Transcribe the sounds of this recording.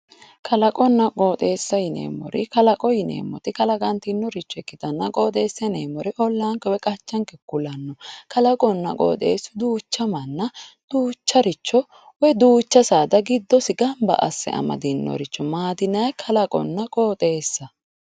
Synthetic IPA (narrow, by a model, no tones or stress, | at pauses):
kʰɐlɐkʼɔnːɐkʼoːt̪ʼe̞ːsːɐjɪnḛːmːɔ̰ɾɪkɐlɐkʼɔjɪnḛːmːɔ̰t̪ɪkɐlɐɡɐnt̪ɪɪnːɔɾɪt͡ʃːɔɛkːɪt̪ɐnːɐkʼoːt̪ʼe̞ːsːɐneːmːɔɾɪʔɔlːaːŋkɛwɛkʼɐt͡ʃːɐŋkɛkːʊlɐnːɔkɐlɐkʼɔnːɐ̰kʼo̰ːt̪ʼe̞̰ːsːʊd̪uːt͡ʃːɐmɐnːɐd̪̥uːt͡ʃːɐɾɪt͡ʃːɔ | wɛd̪uːt͡ʃːɐsaːd̪ɐɡɪd̪ːɔsɪɡɐmbɐ̰ʔɐ̰sːɛ̰ʔɐ̰mɐ̰d̪ɪnːɔ̰ɾɪt͡ʃːɔmaːd̪ɪnɐjkʰɐlɐkʼɔ̰nːɐkʼoːt̪ʼe̞ːsːɐ